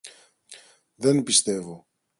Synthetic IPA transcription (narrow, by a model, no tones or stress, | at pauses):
ðe̞npist̪e̞vo̞